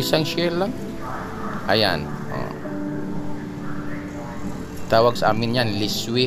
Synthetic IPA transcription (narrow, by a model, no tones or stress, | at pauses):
isaŋʃɛlaŋ | a̰ja̰n | ɔ̰ | t̪awaksa̰minɲanliswi